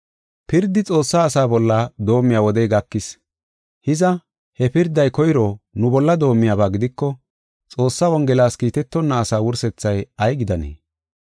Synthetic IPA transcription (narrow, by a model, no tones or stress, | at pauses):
pɪɾd̪ːɪt͡sʼo̞ːsːaːsaːbɔlːɐd̪o̞ːmːɪjaːwɔd̪ɛjɡɐkːɪs | hɪzɐ | hɛpɪɾd̪ːɐjkɔjɾoːnʊbɔlːɐd̪o̞ːmːɪjaːbaːɡɪd̪ɪkːɔ | t͡sʼo̞ːsːawɔŋɡɛlaːskiːt̪ɛt̪ːɔnːɐːsaːwʊɾsɛt͡sːɐjɐjɡɪd̪ɐnḛː